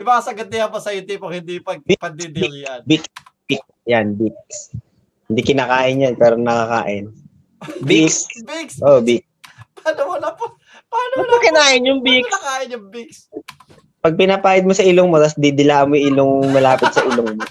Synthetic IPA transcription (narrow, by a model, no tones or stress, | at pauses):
ʔɪbaɐsɐɡɐt̪̚nɪjapɐsɐjɪnt̪ipoŋhɪnd̪ipɐɡ̚bpɐd̪id̪ɪŋjɐnbiksbik̚sjanbik̚s | hɪnd̪ikɪnaːkaːʔɪnjɐnpɛːɾonɐkaka̰ːʔɪn | bikbiksʔobik̚spaːnomʊlɐp | panʊɐkɪnaːʔɪnjʊŋbikaːʔɪnjʊŋbiks | pɐɡ̚pɪnapaːjɪd̪̚mosɐʔɪloŋmot̪ɐsd̪id̪ɪlaːʔɐmojʔɪloŋmɐlaːpɪt̪̚sɐʔɪloŋmo